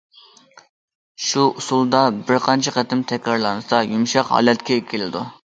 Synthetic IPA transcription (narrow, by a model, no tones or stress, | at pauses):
ʃuusulˠd̪ɑbɪɾqʰɑnt͡ʃʰɛqɛt̪ɪmt̪ʰɛkʲɾɑɾlˠɑnɨsɑjumʃɑqhɑ̰ːlɛt̪kʲɛkʲʰelɪd̪u